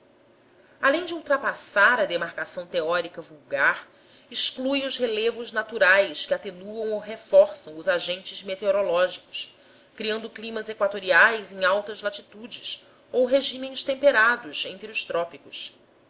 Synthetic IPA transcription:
alẽj̃d͡ʒɪuwt̪ɾapasaɾɐd̪emaɾkasɐ̃w̃t̪eɔɾikɐvuwɡaɾ | iʃklujʊzhelevʊznat̪uɾajskɪat̪enuɐ̃w̃owɦefɔɾsɐ̃w̃ʊzaʒẽnt͡ʃɪzmet̪eoɾolɔʒikʊ̥s | kɾiɐ̃nd̪ʊklimɐzekwat̪oɾiajzẽŋ̃awt̪ɐzlat͡ʃit̪ud͡ʒɪs | owɦeʒĩmẽj̃st̪ẽmpeɾad̪ʊsẽnt̪ɾiʊʃt̪ɾɔpikʊs

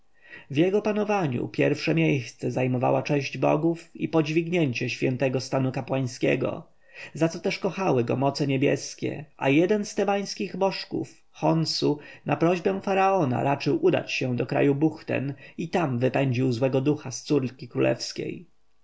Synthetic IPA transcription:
vjɛɡɔpanɔvaɲṵpʲjɛɾfʂɛmʲjejst̪sɛzajmɔva̰wat͡ʂɛ̃ʑd͡ʑbɔ̰ɡufḭpɔd͡ʑvʲiɡɲeɲt͡ɕɛɕfʲjɛnt̪ɛɡɔst̪anukapwaj̃skʲɛ̰ɡɔ̰ | zat̪sɔt̪ɛʂkɔxawɘɡɔ̰mɔt̪sɛɲebʲjɛ̰skʲɛ̰ʔa̰jɛd̪ɛnst̪ɛbaj̃skʲiɣbɔʂkṵf | xɔnsunapɾɔʑbɛ̃faɾaɔna̰ɾat͡ʂɘwʔud̪a̰t͡ɕɕɛ̃d̪ɔkɾa̰jubuxt̪ɛ̰nit̪amvɘpɛɲd͡ʑiwzwɛɡɔd̪uxast̪suɾkʲikɾulʔɛ̰fskʲḛj

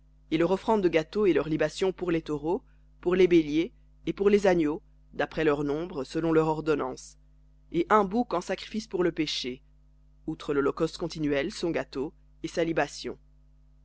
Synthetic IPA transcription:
elœʁɔfχɑ̃d̪ːəɡat̪oelœʁlibasjɔ̃puʁlet̪ɔʁo | puʁlebeljeː | puʁlezanjo | d̪apχɛlœʁnɔ̃bʁəsəlɔ̃lœʁɔʁd̪ɔnɑ̃s | eʔɛ̃bukɑ̃sakχi̥fispuʁləpeʃe | ut̪χəlɔlɔkɔst̪kɔ̃t̪inɥɛlsɔ̃ɡat̪o | esalibasjɔ̰̃

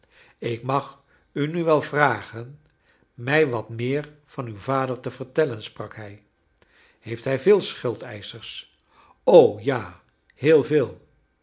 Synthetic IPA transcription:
ɪkmɑχ | ynyʋɛlˠvraːχən | mɛjʋɑtmɪːɹv̥ɑnywvaːdəɹtəvəɹtɛlənsprɑkɦɛj | hejftɦɛjvɪːlˠsχʏlˠtɛ̰jsəɹs | owjaː | hɪːlˠvɪːlˠ

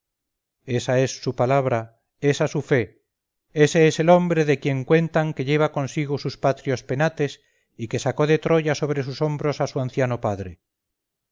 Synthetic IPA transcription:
esae̞sːupalaβɾa | esasufe̞ | eseeselo̞mbɾeðekje̞ŋkwe̞nt̪aŋkeʎe̞β̞ako̞nsiɣ̞osuspat̪ɾjo̞spe̞nat̪e̞s | ike̞sako̞ðet̪ɾo̞ʎaso̞β̞ɾe̞s̬uso̞mbɾo̞sasuanθjanopaðɾe

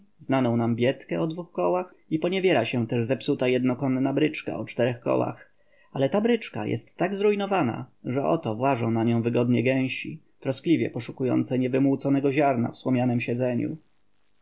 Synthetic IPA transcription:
znanɔ̃w̃nambʲjɛt̪kɛɔd̪vuxkɔwax | ipɔɲɛvʲjɛɾaɕɛt̪ɛʐzɛpsut̪ajɛd̪nɔkɔnːabɾɘt͡ʂka̰ɔt͡ʂt̪ɛɾɛxkɔ̰wa̰x | alɛt̪abɾɘt͡ʂka̰jʔɛ̰st̪ːaɡzɾujnɔvana̰ʐɛʔɔ̰t̪ɔvwaʐɔ̃w̃naɲɔ̃w̃vɘɡɔd̪ɲɛɡɛ̃w̃ɕi | t̪ɾɔsklʲivʲjɛ̰pɔʂukujɔ̰nt̪sɛɲɛvɘmwut̪sɔnɛɡɔʑaɾna̰fswɔmʲjanɛmɕɛd̪zɛɲṵ

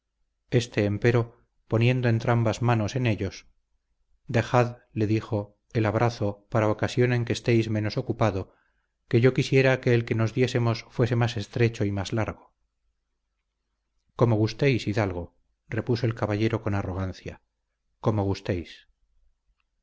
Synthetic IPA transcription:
e̞st̪e̞ːmpe̞ɾo̞ | po̞nje̞nd̪oent̪ɾambazmano̞se̞ne̞ʎo̞s | d̪e̞xaðle̞ðixo̞ | e̞laβɾʔaθo̞paɾaokasjo̞ne̞ŋkeːst̪e̞jzmẽ̞no̞so̞kupaðo̞ | ke̞ʝo̞kisjeɾake̞ːlke̞no̞zðje̞se̞mo̞sfwe̞se̞mase̞st̪ɾe̞t͡ʃo̞imazlaɾɣo̞ | ko̞mo̞ɣ̞ust̪ejsiðalɣo̞ | re̞puso̞e̞lkaβaʎe̞ɾo̞ko̞naro̞ɣ̞anθja̰ | ko̞moɣust̪ejs

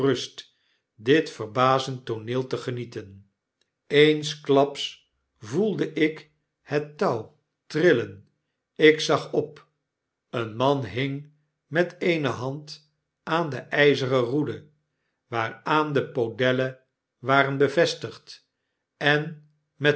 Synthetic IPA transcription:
rɵst | dɪtfərbaːzəntonɪːlˠtəχənitən | ejnsklɑps | vulˠdəʔɪk | hɛtːɑw | trɪlən | ɪksɑχɔp | ənmɑnɦɪŋ | mɛtejnəɦɑnt | ʔaːndəʔɛjzəʁərudə | ʋaːraːndəpodɛlə | ʋaːrənbəvɛstəχt | ɛn | mɛ

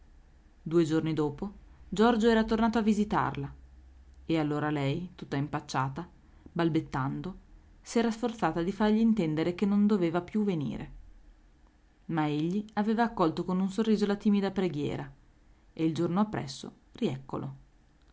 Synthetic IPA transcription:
d̪uːed͡ʒornid̪oːpod͡ʒɔrd͡ʒoɛːɾat̪ornaːt̪oavːizit̪a̰rla | ealːoːɾalɛjt̪ut̪ːaimpat͡ʃːaːt̪a | balbet̪ːand̪o | sɛːɾasfort̪saːt̪ad̪ifarʎiːnt̪ɛnd̪eɾek̟enːond̪oveːvapjuvenḭːɾḛ | maeʎːiaveːvaːkːɔlt̪okonuns̬orːiːzolat̪iːmid̪apɾeɡjɛ̰ːɾa | eild͡ʒornoapːɾɛ̰sːo̰ | riɛkːo̰lo

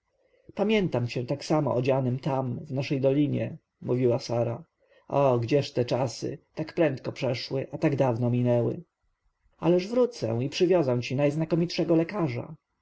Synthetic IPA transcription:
pamʲjɛnt̪amt͡ɕɛ̃t̪aksamɔ̰ʔɔd͡ʑanɘmt̪amvnaʂɛjd̪ɔlʲiɲɛ̰ | muvʲiwasaɾa | ʔɔɡd͡ʑɛʂt̪ɛt͡ʂasɘ̰t̪akpɾɛnt̪̚kɔpʂɛʂwɘʔat̪aɡd̪avnɔmʲinɛwɘ̰ | a̰lɛʐvɾut̪sɛ̰w̃ipʂɘvʲjɔzaw̃t͡ɕinajznakɔmʲitʂɛɡɔlɛkaʐa̰

